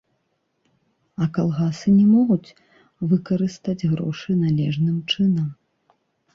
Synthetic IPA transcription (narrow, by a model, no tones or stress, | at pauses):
ɐkalˠɣasɨnʲɛmɔɣut͡sʲ | vɨkɐɾɨst̪ɐd͡zʲɣɾɔ̰ʂɨnalʲɛʐnɨmt͡ʂɨnɐm